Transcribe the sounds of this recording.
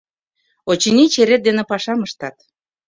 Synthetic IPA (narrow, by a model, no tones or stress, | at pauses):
ot͡ɕinit͡ɕeɾet̪̚d̪enĕpɑʃɑməʃt̪ɑt̪